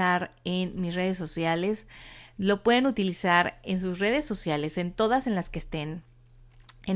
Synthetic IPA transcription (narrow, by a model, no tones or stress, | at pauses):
aɾenmisre̞ð̞e̞s̬ːo̞sjale̞slo̞pwe̞ðe̞nut̪ilisaɾe̞nsuzre̞ð̞e̞sːo̞sjale̞se̞nt̪o̞ðase̞nlaskest̪e̞n | e